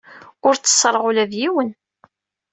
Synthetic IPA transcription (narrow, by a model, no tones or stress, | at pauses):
ʊɾt͡sːə̥sːɾˤʁulæðjiwən